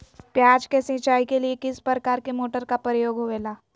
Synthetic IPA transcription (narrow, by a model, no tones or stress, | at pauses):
pjaːd͡ʒkesɪ̃t͡ʃaːikeliekɪspɾɾəkaːɾkemoːʈəɾkapəɾəjoːɡoʋeːlaː